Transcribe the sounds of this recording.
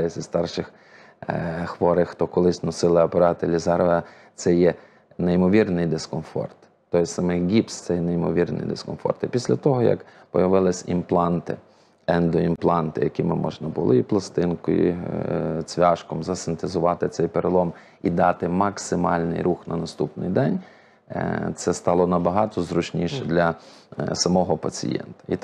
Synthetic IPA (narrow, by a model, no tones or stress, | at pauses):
jɪsʲɐst̪ɑrʃɪx | xʋɔɾɪxt̪ɔkɔlˠɪsʲnɔsɪlˠɪɐpeɾɑt̪ɪlʲizɑɾʋɐ | t̪sɛjɛ | nejmɔʋʲirnɪjd̪eskɔmfɔ̰rt̪ːɔjsɑmɪxɡʲipst̪sɛjnejmɔʋʲirnɪ̰jd̪ḛskɔ̰mfɔ̰rt̪ɪpʲisʲlʲɐt̪ɔɦɔjɐ̰kpɔjɐʋɪlˠɪsʲimplˠɑnt̪ɪ̰ | ɛnd̪ɔimplˠɑnt̪ɪjɐkʲimɪmɔ̰ʒnɐbʊlˠɪiplˠɐst̪ɪnkʊḭ | t͡sʲʋʲɑʃkɔmzɐsɪnt̪ezʊʋɑt̪ɪt̪sɛjpeɾelˠɔm | id̪ɑt̪ɪmɐksɪmɑlʲnɪ̰jɾuxnɐnɐst̪upnɪ̰jd̪ɛnʲ | t̪sɛst̪ɑlˠɔnɐbɐɦɑt̪ɔzɾʊt͡ʃnʲiʃɛd̪lʲɐ | sɐmɔɦɔpɐt͡sʲḭjɛ̰nt̪ɐ̥ḭ